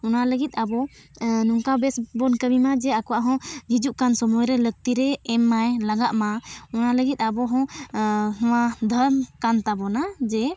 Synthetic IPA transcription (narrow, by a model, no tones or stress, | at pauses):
ɔnaləɡit̪̚ˀabɔnuŋkabɛsbɔnkəmimad͡ʒɛakɔwaʔɦɔ̃d͡ʒid͡ʒuʔkansɔmɔjɾɛləɡ̚t̪iɾɛɛmːajlaɡaʔmaɔnaləɡit̪̚ˀabɔɦɔ̃ | ɦɔ̃wad̪ʱəɾmkant̪abɔnad͡ʒɛ